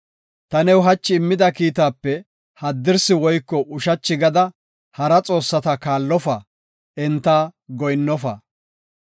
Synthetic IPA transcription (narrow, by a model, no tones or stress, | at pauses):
t̪ɐnɛwɦɐt͡ʃːɪːmːɪd̪ɐkiːt̪aːpːɛ | hɐd̪ːɪɾsɪwɔjkːɔʔʊʃɐt͡ʃːɪɡɐd̪ɐ | hɐɾɐt͡sʼo̞ːsːɐt̪ɐkaːlːɔfɐ | ʔɛnt̪ːaːɡɔjnːɔfɐ̰